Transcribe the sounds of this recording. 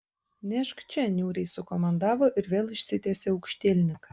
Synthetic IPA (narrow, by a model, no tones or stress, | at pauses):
nʲæʃkt͡ʃʲɛnʲuːɾʲesʊkomɐnd̪ɑːʋoʔɪɾʋʲeːlˠɪʃʲsʲɪt̪ʲæːsʲeʊkʃʲt̪ʲeːlʲnʲɪk